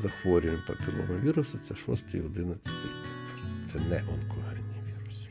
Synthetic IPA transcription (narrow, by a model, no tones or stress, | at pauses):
zɐxʋɔɾʲʊʋɪmʲpɐ̰kɔɾɔ̰nɐʋʲiɾʊsɐt̪sɛʃɔ̰st̪ɐjɔd̪ɪnɐt͡sʲːɐ̥t̪ɪjt̪ɪ̥pt̪sɛnɛʔɔnkʰɔɦɛnʲːiʋʲiɾʊs